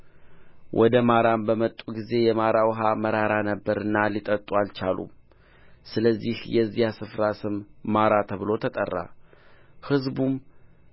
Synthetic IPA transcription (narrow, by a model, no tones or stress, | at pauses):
wʔɔd̪əmaɾambəmət̪ʼuɡize̞jɛmaɾawɦaməɾaɾanəbːəɾɨnːalit̪ʼət̪ʼualt͡ʃalṵm | sɨləzːihjɛzːijasɨfɾasɨmːaɾat̪ʰəβɨlo̞t̪ʰət̪ʼə̰rːa̰ | hɨzbum